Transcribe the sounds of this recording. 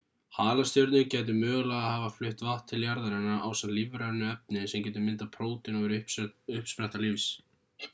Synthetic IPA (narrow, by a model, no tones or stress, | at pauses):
haːlast̪jowɾt̪nɪncaːjt̪̬ɪmœːɣlaɣahaːvaflʏht̪vaht̪ʰːɪljaɾðaɾɛnaʔaːwsanlivɾanʏɛp̚nɪsɛmcɛːt̪̬ʏmɪnt̪apʰɾoːwt̪ɪnɔvɾʏhʏhpspɾɛht̪alɪvs